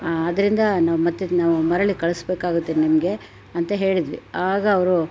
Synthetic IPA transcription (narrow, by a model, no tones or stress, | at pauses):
ɐd̪ɐɾind̪ɐnaːʋumɐt̪ːenaːʋumɐɾɐɭikɐɭusbeːkaːɡut̪ːennimɐɡe̞ | ɐnt̪ɐɦe̞ːɭid̪ʋiaːɡɐːʋɐɾu